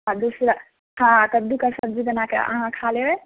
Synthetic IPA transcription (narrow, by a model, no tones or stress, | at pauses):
ɦãd̪usɾa | hãkəd̪ukəsəb̚d͡ʒid̪ənakḛə̰ɦãkʰaleɦe